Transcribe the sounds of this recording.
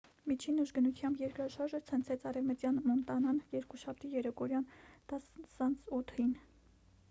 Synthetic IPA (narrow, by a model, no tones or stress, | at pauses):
mit͡ʃʰinːəʒɡənut̪ʰjɑmbjɛɾkɾɑʃɑɾʒət͡sʰənt͡sʰɛt͡sʰɑɾɛvmət̪jɑnmɔnt̪ɑnɑnjɛɾkuʃɑp̚ʰt̪ijɛɾɛkɔɾjɑnt̪ɑssɑnt͡sʰut̪ʰin